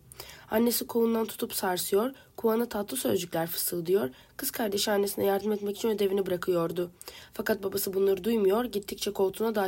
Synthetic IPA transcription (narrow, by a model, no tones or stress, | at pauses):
anːe̞sikʰound̪ant̪ʰu̥t̪ʰupsaɾsɯjo̞ɾkʰuanɯt̪ʰat̪lˠɯsø̞̰zd͡ʒycʲlʲæɾfɯ̥sɯlˠd̪ɯjo̞ɾ | kʰɯskʰaɾd̪e̞ʃianːesinɛjaɾd̪ɯmɛt̪mɛci̥t͡ʃʰinø̞d̪e̞vinibɯɾakʰɯjo̞ɾd̪ʊfakat̪̚babasɯbunlˠaɾɯd̪ujmujo̞ɾɟit̪ʰːic̚t͡ʃʰɛkʰo̞lˠt̪ʰunad̪a